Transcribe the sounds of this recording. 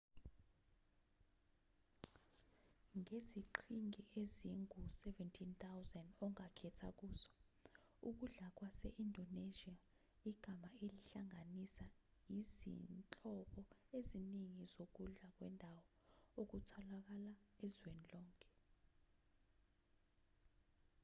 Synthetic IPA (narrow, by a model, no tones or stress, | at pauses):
ŋeziǃʰiŋiʔeziŋusɛvɛntʰint̪awzɛndɔŋakʰɛtʰa̰k̬uːz̥ɔ | ṵk̬uɮak̬wasɛ̰ʔindʱoneʒia | iɡ̥ʱamaeliɬaŋanisajizḭnt͡ɬʼɔɓɔeziniŋizok̬uɮak̬wɛ̰ndʱawɔ | ok̬utʰɔlak̬alaɛzwenilɔːŋkʼʰɛ̥